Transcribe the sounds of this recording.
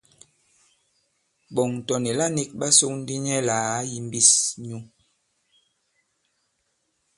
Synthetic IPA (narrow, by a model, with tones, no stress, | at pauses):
bɔ˨ŋ˨tɔ˨ni˨la˦ni˦k̚ɓa˦so˦ŋn˦di˦ɲɛ˦laː˨˦ji˨m˦bi˦sɲu˦